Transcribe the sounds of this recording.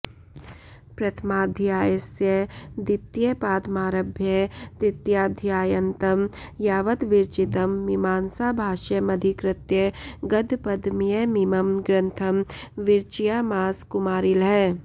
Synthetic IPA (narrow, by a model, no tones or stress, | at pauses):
pɾɐt̪ʰmaːd̪ʱjaːjesjəd̪ɪt̪jepaːd̪maːɾɐbʱjəd̪ɪt̪jaːd̪ʱjaːjɐnt̪ɐmjaːʋət̪ʋɪɾt͡ʃit̪ɐmːimaːnsaːbʱaːʃəmɐd̪ʱikɾɪt̪jəɡɐd̪ʱpɐd̪ʱmijemimɐmɡɾə̃nt̪ʰɐmʋɪɾt͡ʃijamaːskʊmaːɾɪlɦɛː